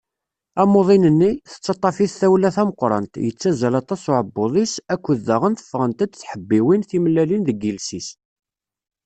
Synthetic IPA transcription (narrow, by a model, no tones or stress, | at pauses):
æmoðˤinənːiθə̥t͡sːɑt̪ˤːɑfiθθæwlæθæməqɾˤɑ̰nt̪jət͡sːæzælɑt̪ˤɑsʊʕəbːoðˤisækʷːəðːæʁənθə̥fːʁənt̪æd̪θħəbːiwinθimlːælinðəɡilsis